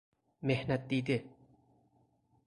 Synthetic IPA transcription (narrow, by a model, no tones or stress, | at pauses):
mehnɐt̪̚d̪iːd̪e